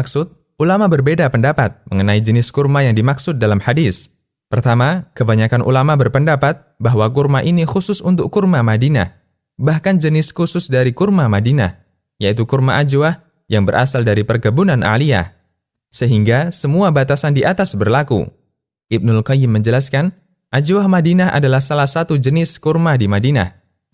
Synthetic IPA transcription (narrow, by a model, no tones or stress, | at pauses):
aksʊt̪̚ | ʔulamabərbedapəndapat̪̚məŋənaid͡ʒənɪskurmajaŋdimaksʊt̪̚dalamhadis | pərt̪amakəbaɲakanʔṵlamabərpəndapat̪̚baɦwakurmaʔinixusʊsunt̪ʊkːurmamadina̰ | bahkand͡ʒənɪskusʊsdaɾikurmamadina̰ | jait̪ukurmaʔad͡ʒuwah | jaŋbəɾʔa̰saldaɾipərɡəbunanʔa̰lia̰ | səɦiŋɡasəmuabat̪asandiʔat̪asbərlakṵ | ʔɪb̚nʊlkajɪmːəɲd͡ʒəlaskan | ʔad͡ʒuahmadinaɦa̰dalahsalahsat̪ud͡ʒənɪskurmadimadina̰h